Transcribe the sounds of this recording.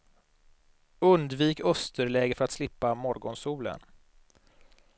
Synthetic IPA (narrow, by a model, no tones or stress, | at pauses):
ɵnd̪viːkœst̪əɾɭɛːɡəfœɾat̪slɪpːamɔɾɡɔnsuːlə̰n